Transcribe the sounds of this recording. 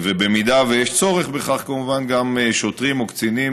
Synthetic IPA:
vebemid̪avejeʃt͡so̞ʁeχbeχaχkamuvanɡamʃot̪ʁimokt͡sinim

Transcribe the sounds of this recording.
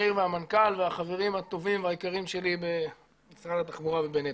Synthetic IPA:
iʁveamankalveaχave̞ʁimhat̪o̞vimveaikaʁimʃe̞libe | misʁad̪at̪aχmuʁavebene

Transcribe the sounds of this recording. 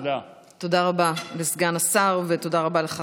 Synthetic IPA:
to̞daʁababesɡanasaʁveto̞daʁabaleχa

